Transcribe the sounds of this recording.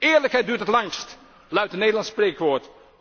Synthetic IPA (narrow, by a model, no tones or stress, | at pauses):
ɪːɹləkɦɛjt̚dyːtətlɑŋst | lœɥtənejdəlɑnspreːkʋoːɹt